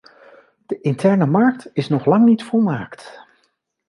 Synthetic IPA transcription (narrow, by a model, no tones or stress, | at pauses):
d̥əʔɪntɛɹnəmɑɹktɪsnɔχlɑŋnitfɔlˠmaːkt